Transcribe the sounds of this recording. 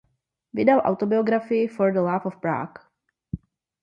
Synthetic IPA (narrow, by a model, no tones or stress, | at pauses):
vɪdalʔa̰wt̪o̞bɪoɡɾafɪjɪfoɾdəlafofpɾa̰ːk